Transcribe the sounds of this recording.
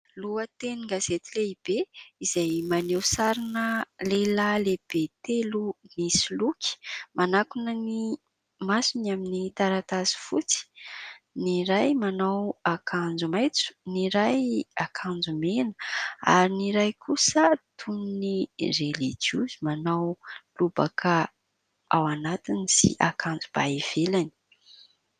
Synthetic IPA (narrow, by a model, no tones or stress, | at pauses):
luət̪eniŋɡazet̪ileib̥eizajmanewsaɾinəlelaleb̥et̪elunisilukʲi̥manakunəni | masunaminit̪aɾat̪azi̥fut͡si̥niɾajmanawakʰand͡zumajt͡su̥niɾajakʰand͡zumenə̥a̰ɾiniɾajkʰusət̪ʰuninirelid͡ʒiuzimanawlubakʰə | awanat̪iniz̥ḭʔakʰand͡zub̥aev̥elani̥